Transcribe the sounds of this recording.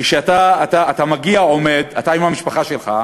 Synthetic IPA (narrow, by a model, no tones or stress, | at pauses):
iʃeat̪aːt̪aːt̪amaɡiao̞me̞d̪at̪aimhamiʃpaχaʃelχa̰